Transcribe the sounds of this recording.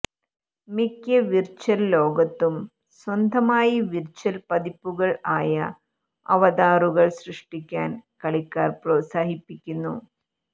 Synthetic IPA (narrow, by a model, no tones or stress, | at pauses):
mikʲːɐʋirt͡ɕːɐllo̞ːɡɐt̪ːum | swɐnd̪ʱɐmaːjiʋirt͡ɕːɐlpɐðipːuɣɐɭaːjɐ | ɐ̰ʋɐd̪aːruɣɐɭsrɨʂʈikʲːaːnkɐɭikːaːrproːtsaːɦipːikʲːunːṵ